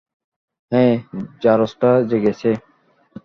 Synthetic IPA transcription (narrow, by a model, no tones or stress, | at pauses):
ɦẽːd͡ʒaːɾoːsʈaːd͡ʒəɡeːseː